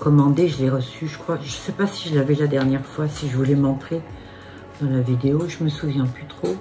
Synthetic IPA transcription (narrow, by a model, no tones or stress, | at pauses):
kɔmɑ̃d̪eʒəlɛʁəsyʒəkχwaʒəsɛpasiʒəlavɛlad̪ɛʁnjɛʁfwasiʒəvulɛmɑ̃t̪χe | d̪̥ɑ̃lavid̪eoʒəməsuvjɛ̃plyt̪χo